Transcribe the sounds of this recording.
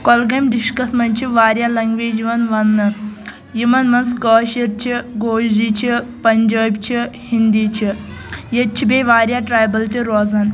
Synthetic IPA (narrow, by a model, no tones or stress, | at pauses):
kolɡɐmd̪iʂʈkɐsmɐnʲt͡ʃʰiʋaːɾʲjalɐŋɡʋeːd͡ʒiʋɐnʋɐnːɨ | jimɐnmɐnskəːɕiɾt͡ʃʰiɡoːʃdit͡ʃʰipɐɲd͡ʒaːbt͡ʃʰihind̪iːt͡ʃʰi | jɐt͡ʃʰibeːʋaːɾʲjaʈɾaːjbɐlt̪ʲiɾoːzɐn